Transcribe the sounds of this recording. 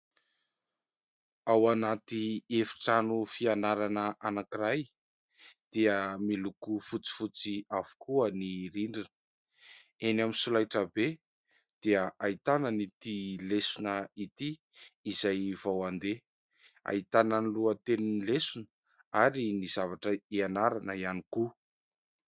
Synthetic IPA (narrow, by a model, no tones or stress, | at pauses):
awanat̪iefi̥ʈ͡ʂanufianaɾanəʔanakiraj | d̪̥eəmilukufut͡si̥fut͡siavu̥kuəniɾiɳɖ͡ʐinə | enaminsulajʈ͡ʂəbe | d̪̥eəʔait̪anənit̪ilesunəit̪iː | zajvawand̪e | a̰it̪anənluət̪eninilesunə | aɾiniz̥avaʈ͡ʂəianaɾanəianiku